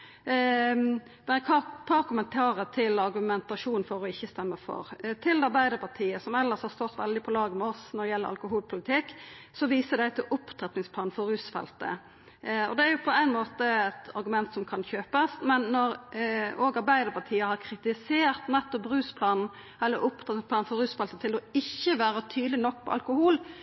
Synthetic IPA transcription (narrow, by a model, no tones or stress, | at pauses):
b̥̪ɛkʰɑpʰɑɾkʰʊmənt̪ʰɑːɾət̪ʰɪlɑɾɡʉmɛnt̪ɑʂuːnfɔɾɔɪçːəst̪ɛmːəfɔ̰ɾt̪ʰɪld̪ɑɾbæɪd̪əɾpʰɑt̪ʰiːəsɔmɛlːəshɑɾst̪ɔt̪ʋɛ̰ld̪ɪpʰɔlɑːɡəmɛɔsnɔd̪ɛjɛlːəɾɑ̰lkʊɦuːlpʰʊlɪt̪ʰɪkː | sɔʋiːsəd̪æɪt̪ʰɪlʔʊpt̪ʰɾɛt̪nɪŋsplɑːn̩fɔɾʉːsfɛ̰lt̪ə̰ | ɔ̰d̪ɛæɾjʊpʰɔæɪnmoːt̪əɛt̪ɑ̰ɾɡʉmɛnt̪sɔmkʰɑnçøːpəsmɛnːɔɾoːɡɑɾbæɪd̪əɾpɑʈ̪ʰiːəhɑɾkʰɾɪt̪ɪseːɾt̪nɛt̪ːɔpɾʉːspʰlɑːnn̩ | ɛlːəɾʊpt̪ʰʁɛt̪ɪŋspʰlɑːnfɔɾʉːsfɛlt̪ət̪ʰɪlɔɪçːəʋæːɾət̪ʰyːd̪lɪnɔk̚ːpʰɔ̰ɑ̰lkʊhuːl